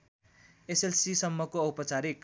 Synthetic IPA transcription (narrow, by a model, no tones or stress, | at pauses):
eselsisʌmːʌkoʌwpʌt͡saɾik